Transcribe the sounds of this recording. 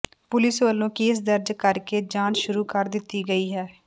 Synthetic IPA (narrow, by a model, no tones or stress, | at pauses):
pʊlɪsʋəlːõːkeːs̬d̪əɾd͡ʒkəɾkeːd͡ʒãːt͡ʃʃʊɾuːkəɾd̪ɪt̪ːiːɡəiːɦɛː